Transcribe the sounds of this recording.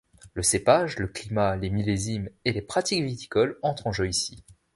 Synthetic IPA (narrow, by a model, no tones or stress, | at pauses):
ləsepaʒləklimalemilezimelepχat̪ikvit̪i̥kɔlɑ̃t̪χɑ̃ʒøisi